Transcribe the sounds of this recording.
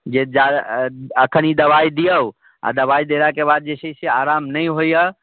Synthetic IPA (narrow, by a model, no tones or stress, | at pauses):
d͡ʒed͡ʒa | əkʰənid̪ɐʋaid̪ijəw | a̰d̪əʋaid̪eɾakebaːd̪̚d͡ʒesəisiaːɾaːmnəĩɦoiə